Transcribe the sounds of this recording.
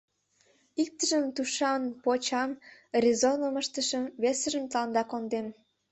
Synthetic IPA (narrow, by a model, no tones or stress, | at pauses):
ik̚t̪əʒəmt̪uʃɑnpot͡ɕɑmrizonəməʃt̪əʃəmβesə̆ʒəmt̪əlɑnd̪ɑkond̪em